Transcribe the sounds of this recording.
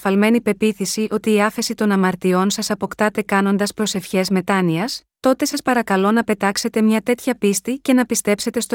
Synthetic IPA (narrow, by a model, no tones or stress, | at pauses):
fɐlme̞nipe̞piθisiʔo̞t̪iːɐfe̞sit̪o̞nɐmɐɾt̪io̞nsɐsɐpo̞kt̪ɐt̪e̞kɐno̞nd̪ɐspɾo̞se̞fçe̞zme̞t̪ɐniɐst̪o̞t̪e̞sɐspɐɾɐkɐlo̞nɐpe̞t̪ɐkse̞t̪e̞mɲɐt̪e̞t̪çɐpist̪ice̞nɐpist̪e̞pse̞t̪e̞st̪o